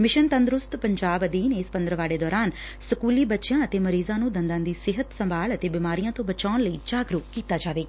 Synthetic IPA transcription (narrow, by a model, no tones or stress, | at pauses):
mɪʃənt̪ənd̪ɾʊst̪pəɲd͡ʒaːbəd̪iːneːspənd̪əɾəʋaːɽeːd̪ɔːɾaːn | səkuːliːbətːʃjãːət̪eːməɾiːzãːnũːd̪ənd̪ãːd̪iːsɪɦət̪səmbʱaːɭət̪eːbɪmaːɾijãːt̪õːbət͡ʃaːnləiːd͡ʒaːɡɾuːkiːt̪aːd͡ʒaːʋeːɡaː